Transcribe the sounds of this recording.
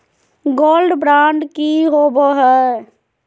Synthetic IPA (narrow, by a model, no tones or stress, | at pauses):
ɡoːlɖbɾãːɳɖkiɦoboɦɛ